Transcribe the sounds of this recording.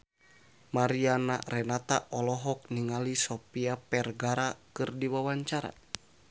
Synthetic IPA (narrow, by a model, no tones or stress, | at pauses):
maɾiana̰rɛnat̪a̰ʔɔlɔɦɔk̚niŋalisɔpiapɛrɡaɾakɨrdiwawaɲt͡ʃaɾa̰